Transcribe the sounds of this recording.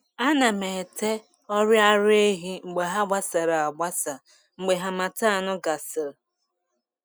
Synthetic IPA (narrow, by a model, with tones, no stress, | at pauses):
a˦na˨me˨te˦ | ɔ˦ɾja˦ɾe˦ɦi˦ŋ͡m̩˨ɡ͡be˨ɦa˦ɡ͡ba˦sa˨ɾa˨a˨ɡ͡ba˦sa˨ | ŋ͡m̩˨ɡ͡be˨ɦa˨ma˨ta˦a˨nʊ˦ɡa˨sɪ˨ɾ